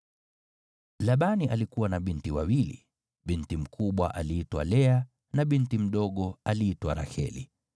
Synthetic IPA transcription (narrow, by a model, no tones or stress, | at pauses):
laɓaniʔalikuwanaɓintiwawilḭ | ɓintim̩kʰuɓwa̰ʔaliitwa̰lɛa | naɓintim̩ɗɔɠɔaliːtwaɾa̰hɛ̰lḭ